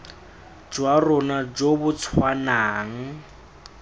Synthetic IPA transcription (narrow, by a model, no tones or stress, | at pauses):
d͡ʒwarʊnad͡ʒobʊt͡sʰwanaːŋ̩